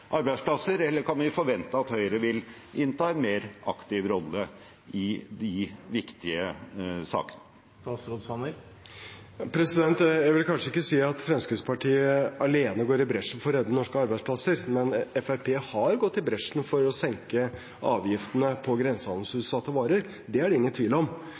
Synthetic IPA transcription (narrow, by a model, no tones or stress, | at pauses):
ʔɑɾbæɪspʰlɑsːəɾɛlːəɾkʰɑnʋɪfɔɾʋɛnt̪əɑt̪hœʏəɾəʋɪl | ɪnt̪ʰɑːɛnmeːɾʔɑkt̪ɪʋɾɔlːə | ɪd̪ɪʋɪkt̪ɪəsɑ̰ːkə̥nə | t̪ɑːsɾod̪sɑnə | ɑpʰɾɛsɪd̪ɛnt̪jæɪʋɪlkʰɑnʂəɪkːəsiːɑt̪fɾɛmskʉspɑʈʰiːəɑleːnəɡoːɾɪbɾɛʂn̩fɔɾɛd̪ːənɔʂkəɑɾbæɪspʰlɑsəɾmɛnɛfæɾpʰeːhɑɾɡɔt̪ːɪbɾɛʂn̩fɔɾɔsɛŋkə | ʔɑːʋjɪft̪ənəpʰɔɡɾɛnsəhɑnl̩sʉːt̪sɑt̪ʰːəʋɑːɾəɾ | d̪ɛæɖɛɪŋːənt̪ʰʋiːlɔm